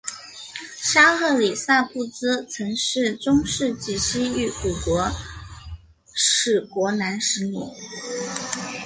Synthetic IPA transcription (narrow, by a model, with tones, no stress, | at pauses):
ʂa˥xɤ˥˩li˨˩sa˥˧pu˥˩t͡sɹ̩˥t͡sʰɤ˧˥ŋʂɻ̩˥˩ʈ͡ʂʊ˥ŋʂɻ̩˥˩t͡ɕi˨˥˩ɕi˥y˧˥ku˨˩kwɔ˧˥ | ʂɻ̩˥˩kwɔ˧˥na˧˥nʂɻ̩˧˥nḭ˨˩˦